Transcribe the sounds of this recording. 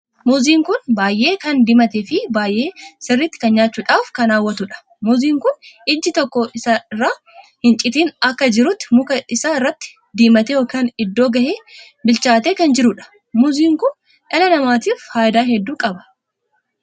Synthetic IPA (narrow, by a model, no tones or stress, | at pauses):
mʊziːŋkʊnbaːjʔe̞ːkɐnd̪ɪmɐt̪ɛfɪbaːjʔe̞ːsɪrːɪt̪ːɪ̥kɐnɲaːt͡ʃːuːᶑaːfkɐnaːwːɐt̪ʊᶑɐ̥ | mʊziːŋkʊnɪd͡ʒːɪt̪ɔkːɔɪsɐrːaː | hɪnt͡ʃʼɪt̪iːnɐkːɐd͡ʒɪɾʊt̪ːɪmʊkɐɪsaɪrːɐt̪ːɪ̥ | d̪iːmɐt̪ɛoːkaːnɪd̪ːoːɡɐheː | bɪlt͡ʃaːt̪eːkɐnd͡ʒɪɾʊᶑɐ̥ | mʊziːŋkʊn | ʔɛlɐnɐmaːt̪iːfhaːjd̪aːhɛd̪ːuːkʼɐbɐ̥